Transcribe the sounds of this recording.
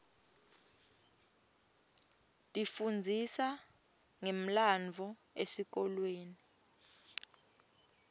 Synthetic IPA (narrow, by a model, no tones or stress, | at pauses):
tʼifund͡zʱisa | ŋem̩land͡vʱɔ | esik̬ɔlweːni